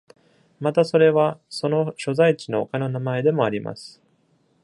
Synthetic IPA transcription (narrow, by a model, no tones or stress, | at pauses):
mat̪aso̞ɾe̞βaso̞no̞ɕo̞zait͡ɕino̞okano̞namae̞d̪e̞mo̞aɾʲimʔa̰sɨ̥